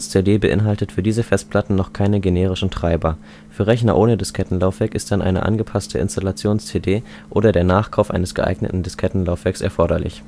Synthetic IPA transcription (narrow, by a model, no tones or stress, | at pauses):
st͡sedeːbəʔɪ̰nɦaltətfyːɐdiːzəfɛst̚pʰl̥atn̩nɔχkʰaɪnəɡeneːʁ̞ɪʃn̩tʁ̥aɪbɐ | fyːɐʁɛçnɐ̰ʔoːnədɪskʰɛtn̩laʊfv̥ɛɐkɪstd̥anʔa̰ɪnə̰ʔa̰nɡəpʰastʰəɪ̰nstalat͡sjoːnst͡sedeː | ʔoːɾɐdeːɐnaːχkʰaʊfʔa̰ɪnəsɡ̥əʔa̰ɪɡnə̰tn̩dɪskʰɛtn̩laʊfv̥ɛɐksɛ̰ɐfɔɐɾɐlɪ̰ç